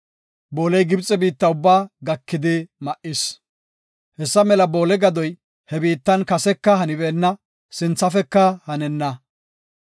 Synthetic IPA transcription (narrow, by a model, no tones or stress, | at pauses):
bo̞ːlɛjɡɪbt͡sʼːɛbiːt̪ːɐʊbːaːɡɐkːɪd̪ɪmɐʔɪs | hɛsːɐmɛlɐbo̞ːlɛɡɐd̪ɔj | hɛbiːt̪ːɐnkɐsɛkːɐhɐnɪbeːnːɐ | sɪnt͡sːɐfɛkːɐhɐnɛnːɐ